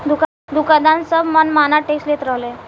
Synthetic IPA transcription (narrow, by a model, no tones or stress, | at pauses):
d̪uk | d̪ukad̪ansəbʱmənmanaʈeksʈlet̪ɾəɦle